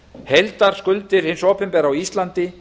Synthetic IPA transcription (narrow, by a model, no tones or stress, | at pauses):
hejlt̪aɾ̥skʏlt̪ɪɾ̥hɪnsɔːpɪmpɛɾawist̪lant̪ɪ